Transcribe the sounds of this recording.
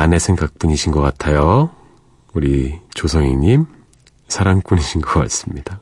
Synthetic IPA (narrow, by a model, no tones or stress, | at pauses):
ane̞sʰe̞ŋɡak̚p͈uɲiɕʰinɡʌk͈atʰajo | uɾit͡ɕosʰʌŋiɲim | sʰaɾaŋp͈uɲiɕʰinɡʌk͈a̰ts͈ɯmɲid̥a